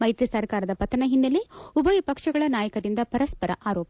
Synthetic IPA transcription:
mɐjt̪ɾisɐɾkaːɾɐd̪ɐpɐt̪ːɐnɐɦind̪ɐleubɐjipɐkʂɐɡɐɭɐnaːjɐkɐd̪ind̪ɐpɐɾɐspɐɾɐ̰ʔaːɾoːp

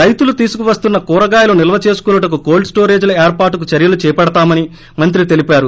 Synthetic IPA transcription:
ɾɐjt̪ulut̪iːsukuʋɐst̪unːɐkuːɾɐɡaːjɐlunilɐʋɐt͡ʃe̞ːsu̥kunːɐʈɐk̬uɡoːlɖsʈoːɾe̞ːd͡ʒlɐeːɾpaːɾʈuk̬ut͡ʃɐɾjɐlut͡ʃɛːjpɐɽɐt̪aːmɐni | mɐnt̪̬ɾit̪e̞lipaːɾu

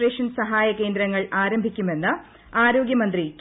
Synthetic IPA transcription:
reːʂɐnsɐɦaːjɐke̞ːnd̪ɾɐŋːɐɭʔaːɾɐmbʱikʲːume̞nːɨ | aːɾo̞ːɡjɐmɐnd̪rik

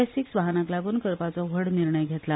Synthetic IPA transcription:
siksʋaɦnãklaɡuːnkəɾpat͡sɔʋ̤əɽniɾɳəjɡʱet̪la

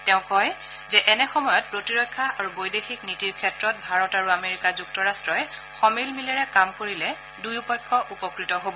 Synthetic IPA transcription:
tɛʊ̃kːɔj | zɛʔɛnɛxɔmɔjɔt̚pɹotiɹɔjkʰːaʔaɹubojdexiknitiɹkʰɛtɹɔt̚bʱaɹɔtaɹuameɹikazuk̚tɔɹastɹɔjɛxɔmilmilɛɹɛkamkoɹilɛ | dujupɔjkʰːɔʔupɔkɹitɔɦobɔ

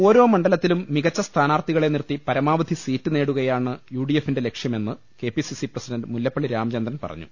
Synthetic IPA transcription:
o̞ːɾo̞ːmɐɳɖɐlɐt̪ːilumːiɣɐt͡ɕːɐst̪ʰaːnaːrt̪iɣɐɭe̞nirt̪ːipɐɾɐmaːʋɐd̪ʱisiːtːɨne̞ːɽuɣɐjaːɳɨjuːɽijefːinde̞le̞kʂjɐme̞nːɨ | ke̞ːpisisiprɐsidɐndmuljɐpːɐɭːiɾaːmt͡ɕend̪ɾɐnpɐ̰rɐ̰ɲːṵ

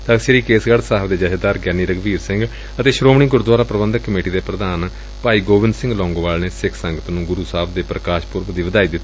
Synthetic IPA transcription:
t̪əkseɾiːkeːsɡəɽsaːɦbd̪eːd͡ʒəʃəd̪aːɾɡɛːniːɾəɡʋiːɾsɪ̃ŋɡ | ət̪eːʃɾoːmɳiːɡʊɾd̪waːɾaːpɾəbənd̪əkːəmeːʈiːd̪eːpɾəd̪aːn | paːiːɡoːʋɪnd̪sɪ̃ŋɡlɔ̃ːŋɡoːʋaːlneːsɪkʰsəŋɡət̪nũːɡʊɾuːsaːbʰd̪eːpɾəkaːʃpʊɾʋd̪iːʋəd̪aːiːd̪ɪt̪ːi

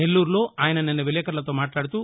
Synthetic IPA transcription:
nelːuːɾulo̞ːaːjɐnɐnɐnːɐʋilɛːkɐɾlɐt̪o̞ːmaːʈlaːɽut̪u

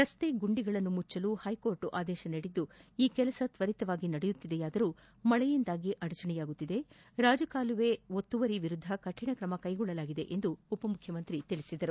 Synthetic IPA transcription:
ɾɐst̪e̞ɡuɳɖiɡɐɭɐnːumut͡ʃːɐluːhɐjko̞ːɾʈuʔaːd̪ɛːʃɐnɐɽid̪ːuiːkɛlɐsɐt̪ʋɐɾit̪ɐʋaːɡinɐɽɛjut̪ːid̪ejaːd̪ɐɾuː | mɐɭɛjind̪aːɡiʔɐɽɐt͡ʃɐɳɛjaːɡut̪ːid̪e̞ | ɾaːd͡ʒɐkaːluʋe̞ot̪ːuʋɐɾiʋiɾud̪ʱːɐkɐʈʰːiɳɐkɾɐmɐkɐjɡɔɭːɐlaːɡid̪e̞ʔend̪uːpɐmukʰjɐmɐnt̪ɾit̪iɭisid̪ɐɾu

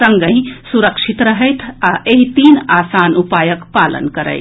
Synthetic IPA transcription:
ə̃ŋɡə̃ɪ̃suɾəkʃit̪ɾəɦəjt̪ʰaʔeɦit̪iːnaːsaːnupaːjəkpaːlə̰nkəɾə̰ɪ

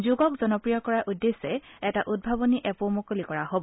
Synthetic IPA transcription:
zuɡɔkzɔnɔpɹijɔkɔɹaʔudːesɛɛtaʔud̚bʱaboniʔɛpomokolikɔɹaɦobɔ

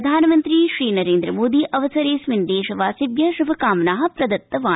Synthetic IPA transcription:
d̪ʱaːnɐmɐnt̪ɾiʃɾiːnɐɾeːnd̪ɾɐmoːd̪iːʔʔɐʋɐsɐɾeːsʋind̪eːʃɐʋaːsibjɐʃɾubʱɐkaːmnaːɦɐ̆pɾɐd̪ɐt̪ːɐʋaː

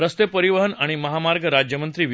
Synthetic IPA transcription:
ɾəst̪epəɾiʋəɦənaɽ̃iməɦamaɾɡʱəɾad͡ʑjəmənt̪ɾiːʋ

